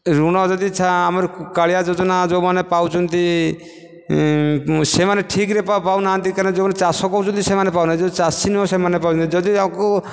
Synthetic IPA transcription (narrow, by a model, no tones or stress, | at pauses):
ɾuɽ̃ɔd͡ʒɔd̪it͡ʃʰaːmɔɾkaɭijad͡ʒɔd͡ʒɔnad͡ʒomanepawt͡ʃʰɔnt̪i | semaneʈʰikɾepapawnaant̪ikaɾned͡ʒomanet͡ʃasɔkɔwt͡ʃʰɔnt̪isemanepawnad͡ʒɔd̪it͡ʃasinɦɔsemanepawt͡ʃʰɔnt̪id͡ʒɔd̪iamko